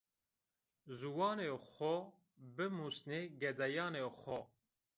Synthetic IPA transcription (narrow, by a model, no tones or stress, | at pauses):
zuwɑːnexɔ | bɨmusneɡɛd̪ɛjɑːnexʷɔ